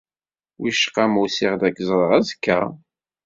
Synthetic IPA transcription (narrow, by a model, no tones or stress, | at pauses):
wiʃqːamusɪʁd̪ækːzˤɾˤəʁæzkːæ̰